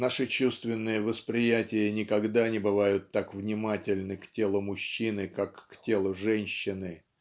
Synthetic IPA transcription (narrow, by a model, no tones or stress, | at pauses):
naʂɨt͡ɕust̪vʲɪnːɨjəvəspɾʲɪjætʲɪjənʲɪkɐɡd̪anʲɪbɨvajʊt̪ːakvnʲɪmatʲɪlʲnɨktʲe̞lˠʊmʊɕːinɨkakːtʲelˠʊʐɛnʲɕːɪnɨ